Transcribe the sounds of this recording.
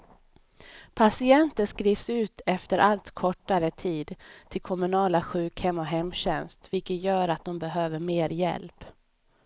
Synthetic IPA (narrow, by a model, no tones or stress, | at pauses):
pʰasɪɛnt̪ənskɾiːvsʉ̟ːt̪ʰɛft̪əɾʔalt̪kʰɔʈːaɾət̪ʰiːd̪t̪ʰːɪlkʰɔmɵnɑːlaɧʉ̟ːkhɛmːɔɦɛmːɕɛnst̪vɪlkət̪jœːɾat̪̚d̪ɔmbɛɦøːvəɾmeːɾjɛ̰lp